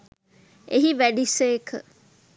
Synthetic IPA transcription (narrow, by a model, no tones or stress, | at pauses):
eɦiʋæɖiseːkʰə̰